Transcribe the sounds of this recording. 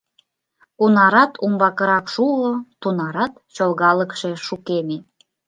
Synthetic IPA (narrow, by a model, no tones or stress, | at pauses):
kunɑɾɑt̪ʰumbɑkəɾɑkʃulot̪unɑɾɑt̪t͡ɕolɣɑləkʃeʃukeme